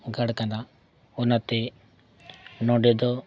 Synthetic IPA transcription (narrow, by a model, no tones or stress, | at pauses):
ɡaɽkana | ʊnat̪e | nɔ̃ɖed̪ɔ